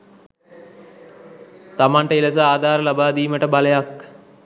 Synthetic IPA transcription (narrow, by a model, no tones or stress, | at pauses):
t̪amaɳʈəiləsəaːd̪ʱaːɾəlabaːd̪iːməʈəbaləjak